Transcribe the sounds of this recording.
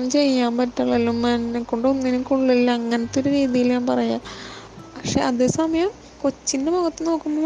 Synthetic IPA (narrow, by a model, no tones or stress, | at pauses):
t͡ɕe̞jːaːmpɐtːaɭɐlumːɐnkːoɳɖonːinikːuɭːilːɐːŋːɐnɐt̪ːo̞ɾuɾiːðijilɲaːmpɐrɐjaːpɐkʂe̞ʔɐðeːsɐmɐjɐm | ko̞t͡ɕːindebɐɣɐt̪ːɨno̞ːkːumːo